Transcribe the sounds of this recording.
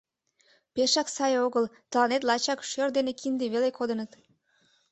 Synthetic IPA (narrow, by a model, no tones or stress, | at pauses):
peʃɑksɑjoɣəlt̪əlɑnet̪̬lɑt͡ɕɑkʃørd̪enekʰind̪eβelekod̪ənət̪